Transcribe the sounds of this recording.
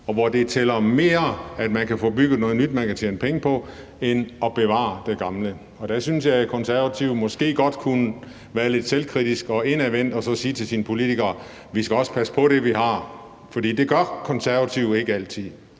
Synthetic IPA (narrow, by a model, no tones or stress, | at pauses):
ɒ̽ʋɒd̥e̝t͡sʰelɐme̝ːɐæd̥mænkæfɔ̰ːb̥yɡ̥ð̩ˠnɔ̽ːð̞̩ˠnyd̥mænkæt͡ɕʰjeːnəpʰeŋəpʰɒ̽ | enɒ̽b̥e̝ʋɑ̰̈ːd̥e̝ɡ̥ɑ̈mlə | ɒ̽d̥æsynsjɑ̈ɪkʰɒ̽nsæɐʋæt͡sʰiʊmɒ̽sɡ̥e̝̰ːɡ̥ɒ̽d̥kʰunə | ʋæːɐle̝d̥selkʰʁid̥isɡ̥ɒ̽e̝næʋen̰d̥ɒ̽sɒ̽siːt͡sʰe̝lsinəpʰo̝lit͡sʰiɡ̥ɐː | ʋisɡ̥æɒ̽sə̥pʰæsə̥pʰɒ̽ɾ̥e̝ʋihɑ̈ | fɒ̽d̥ḭːd̥e̝ɡ̥ɶɐkʰɒ̽nsæɐʋæt͡sʰiʊ̰e̝ɡ̥əæl̰t͡sʰið̰ˠ